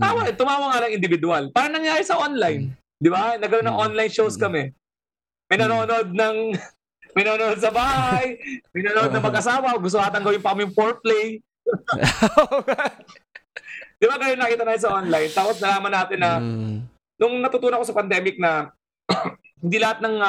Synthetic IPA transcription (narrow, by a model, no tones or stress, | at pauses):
awɐt̪ʊmaːwɐŋːaːlɐŋɪnd̪ɪvɪd̪ʊalpaːɾɐŋnɐŋjaːɾɪsɐʔonlajn | d̪ɪbanɐɡkɐɾonːɐŋʔonlajnʃowskɐmɛ | mɐjnɐnoːnod̪̚nɐŋ | mɐjnonood̪̚sɐbaːhajmɐjnɐnʔod̪̚nɐŋmɐɡʔɐsaːwɐɐɡʊs̬t̪ohaːt̪ɐŋɡɐwɪnpɐkɐmɪjʊŋpoɹplɛj | d̪̥ɪbaɡɐj̪onːɐkiːt̪ɐnaːt̪ɪns̬ɐʔonlajnt̪aːposnɐlaːmɐnːaːt̪ɪnːɐ | nʊŋnɐt̪ʊt̪uːnoɐkosɐpɐnd̪ɛmɪk̚nɐ | hɪnd̪iːlɐhat̪nɐŋ